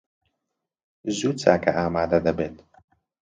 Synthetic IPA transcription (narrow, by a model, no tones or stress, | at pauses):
zuːt͡sa̰ːkʰɐʔaːmaːd̪ɐd̪ɐbeːt̪